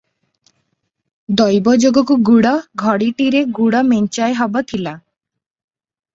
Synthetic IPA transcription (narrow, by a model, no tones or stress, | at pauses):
d̪ɔjbɔd͡ʒoɡɔkuɡuɽɔɡʱɔɽiʈiɾeɡuɽɔmeɲt͡ʃaeɦɔbɔt̪ʰila